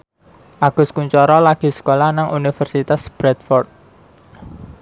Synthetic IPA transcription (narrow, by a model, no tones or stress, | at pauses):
ʔaɡ̥ʊ̤skuɲt͡ʃɔɾɔlaɡ̥i̤sə̥kolahnaŋunifərsit̪asb̥ɾɛt̪̚fɔrt̪̚